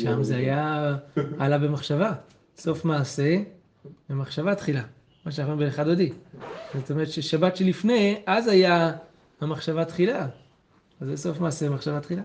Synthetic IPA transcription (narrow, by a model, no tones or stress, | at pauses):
ʃamzeaja | alabe̞maχʃava | so̞fmaːse̞ | emaχʃavat̪χila | maʃanaχoibeneχad̪od̪izot̪o̞meʁet̪ʃeʃabat̪ʃelifne̞jʔazaja | hamaχʃavat̪χila | azeso̞fmaːsemaχʃavat̪χila